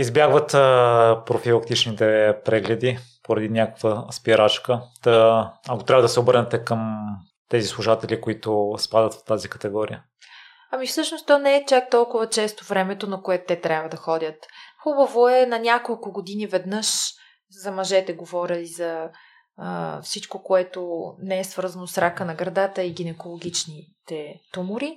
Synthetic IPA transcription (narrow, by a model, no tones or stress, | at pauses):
izbjaɡvət̪pɾofilˠək̚t̪it͡ʃnit̪ɛpɾɛɡlɛd̪i | poɾɐd̪inʲjakəkvəspiɾat͡ʃkət̪əɐkot̪ɾʲavɐəd̪ɐsɛobəɾnɛt̪ɛkəm | t̪ɛzislˠuʒat̪ɛlikoit̪ʊspad̪ət̪ft̪azikɐ̥t̪ɛɡɔɾḭə | ɐmifsɤʃnost̪ɔnɛɛt͡ʃak̚t̪ɔlˠkʊvɐt͡ʃɛst̪ovɾɛmɛt̪onɐkoɛt̪t̪ɛt̪ɾʲjabvəd̪ɐxɔd̪ʲət̪xubɐvoɛnɐnʲakolˠkʊɡod̪inivɛd̪nɤʃ | zɐmɐʒɛt̪ɛɡovɔɾʲəizɐ | fsit͡ʃkokoɛt̪onɛɛsv̥ɤɾzɐnosɾakənɐɡɾɐd̪at̪əiɡ̟inɛkolˠoɡ̟ʲit͡ʃnit̪ɛt̪umʊɾi